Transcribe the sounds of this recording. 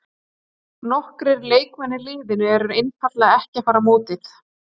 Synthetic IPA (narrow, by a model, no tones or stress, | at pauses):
nɔhkɾɪɾleːjkvɛnːɪlɪːðɪnʏɛɾʏɾejnfʰat̪laɛhcɛfaːɾamoːt̪ɪθ